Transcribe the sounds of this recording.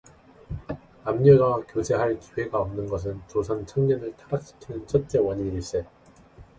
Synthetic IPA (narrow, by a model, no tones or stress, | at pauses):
amɲoɡakjod͡ʑe̞ɦaɭki̥we̞ɡaʌmnɯnɡʌs̬ʰɯnt͡ɕosʰant͡ɕʰaŋɲʌnɯɭtʰaɾaɕ͈i̥kʰinɯnt͡ɕʰʌt̚t͡ɕ͈e̞wʌɲiɾiɭs͈e